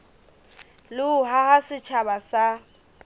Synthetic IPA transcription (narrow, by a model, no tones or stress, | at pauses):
lɪʊhaɣasɪt͡ʃʰabasa